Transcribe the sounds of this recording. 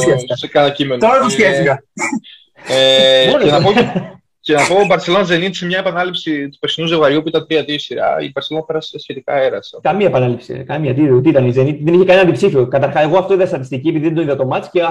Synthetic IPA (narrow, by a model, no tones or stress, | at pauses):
çefskɐnɐcime̞nt̪oɾɐt̪usçefikɐ | eoenɐpo | cenɐpobɐɾse̞lo̞nɐze̞nit̪i̥semɲɐepɐnɐlipsit̪u̥pesinuzoɣɐɾupuit̪ɐnt̪ɾiɐt̪isiɾɐ̰ḭbɐɾselonɐpeɾɐssçe̞t̪ikɐeɾɐsekɐmiɐepɐnɐlipsḭkɐmiɐt̪iot̪iit̪ɐneize̞nit̪ðeniçekɐnenɐnd̪ipsifiokɐt̪ɐɾxɐse̞ɣoɐft̪oiðest̪ɐt̪ist̪iciepiðiðed̪oniðɐt̪o̞mɐt̪i̥sce